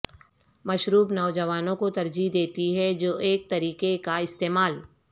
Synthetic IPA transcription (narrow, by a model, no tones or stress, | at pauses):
mɐʃɾuːbnɐːd͡ʒɐʋaːnõkot̪ɐɾd͡ʒid̪eːt̪iɦɛd͡ʒoːʔeːk̚t̪ɐɾiːkekaɪst̪eːmaːl